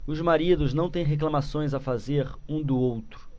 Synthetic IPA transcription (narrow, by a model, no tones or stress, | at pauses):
ʊzmaɾid̪ʊznɐ̃w̃t̪ẽj̃ɦeklamasõj̃zafazeɾũd̪ʊowt̪ɾʊ